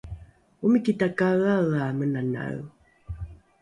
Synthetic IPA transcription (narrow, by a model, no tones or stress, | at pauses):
umikitakaɣaɣamənana̰ɣ